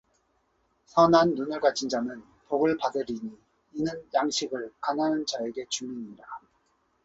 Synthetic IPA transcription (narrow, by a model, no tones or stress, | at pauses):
sʰʌnanːunɯɭɡat͡ɕʰind͡ʑamɯn | poɡɯɭpadɯɾiɲiː | nɯnjaŋɕʰiɡɯɭkananɯnt͡ɕaeɡe̞t͡ɕumiɲida